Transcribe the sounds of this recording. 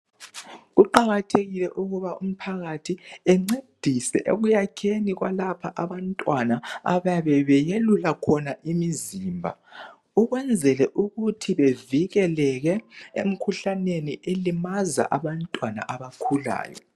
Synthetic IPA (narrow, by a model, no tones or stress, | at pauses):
ɣuǃaɣatʰeɣilɛʔuɣuβaum̩pʰaɣatʰiɛŋ͡ǀed̥ʱisɛ̰ʔḛɣujakʰeniɣwalapʰaʔaβantʼwanaa̰βajaβɛβɛjelulakʰɔnaʔimiziːmbʱa̰ | uɣwɛnd͡zʱɛlɛʔuɣutʰiβeviɣɛlɛɣɛḛm̩kʰuɬaneniʔelimaza̰ʔaβantʼwana̰ʔaβakʰula̰ːjɔ̰